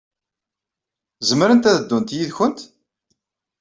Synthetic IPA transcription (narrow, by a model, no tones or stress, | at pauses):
zəmːəɾənt̪æðəd̪ːunt̪jiðçənt̪